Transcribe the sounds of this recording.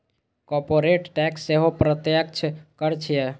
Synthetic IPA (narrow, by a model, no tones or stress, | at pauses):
kɔɾpoɾeʈʈɛksːeɦopɾət̪jək̚t͡ʃʰkəɾt͡ʃʰije